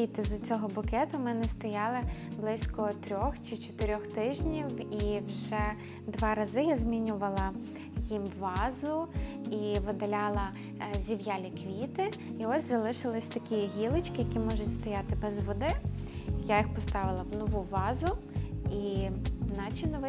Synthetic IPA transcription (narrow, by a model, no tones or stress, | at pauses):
it̪ɪzʊt͡sʲɔɦɔbʊkɛt̪ʊmɛnɛst̪ɔjɑlˠɪblˠɪsʲkɔt̪ɾʲɔxt͡ʃɪt͡ʃɔt̪ɪɾʲɔxt̪ɪʒnʲiwiwʒɛ | d̪ʋɑɾɐzɪjazʲmʲinʲʊʋɐlˠɐ | jimʋɑzʊ | iʋɪd̪ɐlʲɑlˠɐ | zʲiwjalʲikʋʲit̪ɪ | iɔsʲzɐlˠɪʃɪlˠɪsʲt̪ɐkʲiɦʲilˠɪt͡ʃkɪjɐkʲimɔʒʊtʲst̪ɔjat̪ɪbɛzʋɔd̪ɪjajixpɔst̪ɑʋɪlˠɐwnɔʋuʋɑzʊ | inɑt͡ʃinɔʋɪ